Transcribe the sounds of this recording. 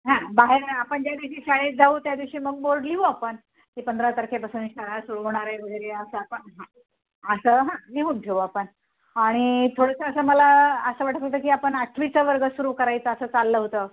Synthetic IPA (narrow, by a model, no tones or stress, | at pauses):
ɦãbaɦeɾapəɳd͡ʑjad̪iʋɕiːɕaɭed͡zauːt̪jad̪iʋɕiːməɡ̚boɭɖliuapəɳ | t̪iːpənd̪ʱɾat̪əɾkʰepasuːnɕaɾasuɾuːɦoɽ̃aɾajʋəɡeɾeəsəapəɳɦã | əsəɦãmiɦuɳʈʰeuapəɳ | aɽ̃it̪ʰoɽəsəːsəːməlaəsəʋaʈʰəkət̪əːk̬iːapəɳaʈʰʋit͡səʋəɾɡəsuɾuːkəɾajt͡səːsəːt͡salːəɦot̪əː